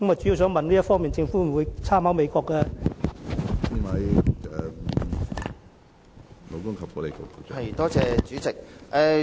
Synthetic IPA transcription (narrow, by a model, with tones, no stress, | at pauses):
kɐ˥ma˨jt͡ʃy˨˥ji˧ws̬œː˨˥ŋmɐ˨nliː˥jɐ˥tfɔː˥mi˨nt͡sɪ˧ŋfuː˨˥m̩˨˩wu˨˧jt͡sʰaː˥mhaː˨˥wme˨˧jkɔː˧kːɛ˧ | i˥nwɐ˨˧jɛ˨ | lo˨˧wkʊ˥ŋkʰɐ˨p̚kɔː˨˧le˨jko˨˧wko˨˩ɔ˨ɐ˨˩t̪ɔː˥t͡sɛː˧t͡ʃyː˨˥t͡sɪ˨k̚ʔɛː˨˧